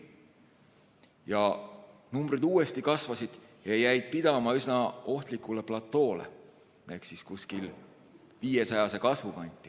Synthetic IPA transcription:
jɑnumbrɾid̪uːe̞st̪ikɑsvɑsid̪̥jɑjæjd̪̥̚pid̪̥ɑmɑysnɑo̞ht̪likːˑule̞plɑt̪ːˑo̞ːle̞̰ | eksiskuskil | viːesɑjɑse̞kɑsvupɑnʲt̪ʲːˑi̥

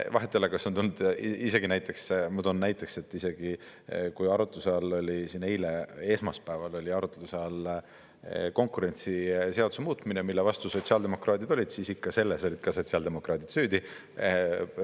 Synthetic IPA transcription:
vɑɦet̪ːˑiolekɑsont̪ulnːud̪̥ise̞ɡ̥inæjt̪ːˑe̞ksmud̪onnæjt̪ːˑe̞kse̞t̪ːˑise̞ɡ̥i | kujɑɾut̪ˑlusɑlo̞lʲisinejlee̞smɑspæevɑlo̞lʲiɑɾut̪lusɑl | ko̞ŋkˑuɾe̞nʲt̪sise̞ɑd̪u̥semuːt̪ˑminemilːevɑst̪uso̞t̪siɑld̪̥e̞mo̞krɑːd̪id̪o̞lʲid̪̥siːsikːɑse̞lːeso̞lʲid̪̥kɑso̞t̪siɑld̪̥e̞mo̞krɑːt̪id̪̥syːd̪i

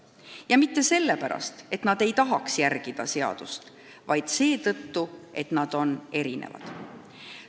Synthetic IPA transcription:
jɑmit̪ːe̞se̞lːe̞pæɾɑ̰st̪e̞t̪nɑd̪e̞jt̪ɑɦɑksjærɡ̥id̪̥ɑ̰se̞ɑ̰d̪̥ust̪ | vɑjd̪̥se̞ːt̪ɤt̪ːuʔe̞t̪nɑd̪̥o̞ne̞ɾinḛvɑ̰d̪̥

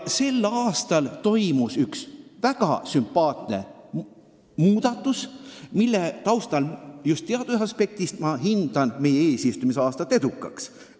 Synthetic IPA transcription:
se̞lːɑːst̪ɑlt̪o̞jmusyksvæɡ̥ɑ̰sympːˑɑːt̪ne̞̰ | muːd̪̥ɑt̪ːˑusmilːet̪ɑwst̪ɑljust̪eɑd̪̥usɑspe̞k̚t̪ist̪mɑɦind̪̥ɑnme̞jeeːsist̪umisɑːst̪ɑt̪ːˑe̞d̪ukːˑɑ̰ks

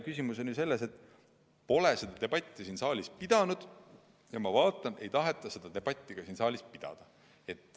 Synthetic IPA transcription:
kysʲimuso̞njuse̞lːese̞t̪ːˑ | po̞le̞se̞d̪̥ɑt̪e̞b̥ɑt̪ʲˑːisiːnsɑːlʲispid̪̥ɑnud̪̥ | jɑmɑvɑːt̪ːˑɑne̞jt̪ɑɦe̞t̪ːˑɑsed̪̥ɑt̪e̞b̥ɑt̪ʲːˑiɡ̥ɑsiːnsɑːlʲispid̪̥ɑ̰d̪̥ɑ | e̞t̪ːˑ

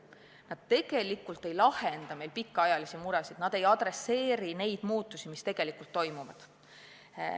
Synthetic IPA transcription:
nɑd̪̥̚t̪e̞ɡ̥e̞likːˑult̪ːˑe̞jlɑhend̪̥ɑme̞jlpikːˑɑjɑlisimuɾɛsid̪̥nɑd̪̥e̞jɑd̪̥re̞sːe̞ːɾine̞jd̪̥muːt̪ːˑusimist̪e̞ɡ̥e̞likult̪ːo̞jmuvɑ̰d̪̥

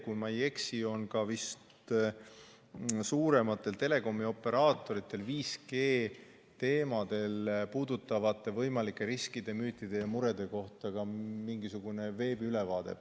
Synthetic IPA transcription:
kujmɑje̞ksio̞nkɑvist̪ | suːɾe̞mɑt̪ːˑe̞lt̪e̞le̞ko̞mːio̞pːe̞ɾɑːt̪ːˑo̞ɾit̪ːˑe̞lviːske̞ː | t̪e̞ːmɑd̪̥e̞lpuːd̪ut̪ːˑɑvɑt̪ːˑe̞vɤjmɑlikːˑe̞ɾiskid̪̥e̞myːt̪ˑːid̪̥e̞jɑmuɾe̞d̪̥e̞ko̞ht̪ɑkɑmiŋɡ̥isuɡ̥une̞ve̞ːbyle̞vɑːd̪̥e̞̰

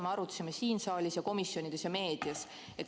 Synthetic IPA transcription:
meɑɾut̪ːɑ̥sime̞siːnsɑːlʲisjɑko̞misːjo̞nid̪̥e̞sjɑme̞ːd̪̥iɑs | e̞t̪

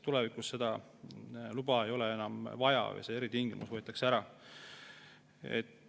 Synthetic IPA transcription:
t̪ule̞vikusse̞d̪̥ɑ | lubɑe̞jo̞lee̞nɑmvɑjɑ̰vɤ̰jseeɾit̪iiŋɡ̥imṵsvɤːt̪ːˑɑkseæɾɑ | ḛt̪ː

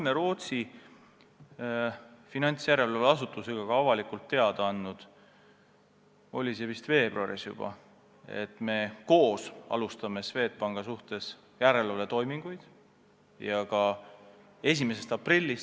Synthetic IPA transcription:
meɾo̞ːt̪si | finɑnʲt̪sjæɾe̞loleɑs̬ut̪ːˑuseɡ̥ɑkɑɑvɑlikult̪ːe̞ɑd̪̥ɑɑnːud̪̥ | o̞lʲise̞vist̪ve̞ːb̥ruɑɾḭsjṵb̥ɑ̰ | e̞̰t̪ːˑme̞ko̞ːsɑ̰lust̪ɑme̞sve̞ːt̪̚pɑŋɡ̥ɑsuht̪e̞s | jæɾe̞lolet̪o̞jmiŋɡ̥ujd̪̥ | jɑkɑ | e̞s̬ʲimese̞st̪ɑprilʲːis

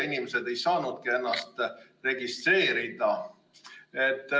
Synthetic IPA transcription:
inimese̞d̪e̞jsɑːnud̪̥̚kie̞nːɑst̪re̞ɡist̪rɾe̞ːɾid̪̥ɑ | et̪ːˑ

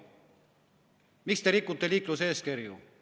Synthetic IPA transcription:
mikst̪eɾikːut̪ːeliːkluse̞ːskeɾjṵ

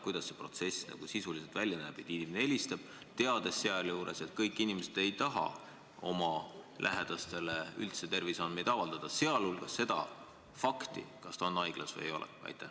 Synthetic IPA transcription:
kujd̪̥ɑsːe̞pro̞t̪se̞sːnɑ̰ɡ̥usisulise̞lt̪vælʲjɑnæːb̥et̪ːˑinimenee̞lʲist̪ɑb̥ | t̪e̞ɑd̪e̞sːeɑljuːɾe̞se̞t̪kɤjkːˑinimese̞d̪̥e̞jt̪ɑɦɑ̰ | o̞mɑlʔæ̰ɦe̞d̪̥ɑst̪e̞leylt̪se̞t̪e̞rvisɑnmed̪ɑvɑld̪ɑd̪̥ɑse̞ɑlulɡ̥ɑsse̞d̪̥ɑ̰ | fɑkt̪ḭkɑst̪ɑonɑjɡ̥lɑsvɤ̰jejo̞̰lɛ̰ɑ̰jt̪ːæ

